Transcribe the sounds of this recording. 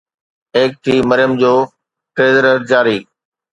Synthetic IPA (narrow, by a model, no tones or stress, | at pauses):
eːk̚t̪ʰiːməɾjəmd͡ʑoː | ʈɾeːzəɾəɾd͡ʑaːɾiː